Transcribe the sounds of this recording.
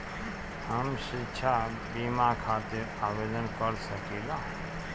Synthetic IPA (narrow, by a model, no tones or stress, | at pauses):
ɦəmʃiʃʰa | bimãkʰaːt̪ɪɾaːʋeːd̪ənkəɾsəkiːlaː